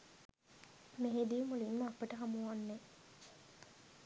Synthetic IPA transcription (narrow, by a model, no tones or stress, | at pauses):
meɦed̪imulinməapəʈəɦamuʋanːe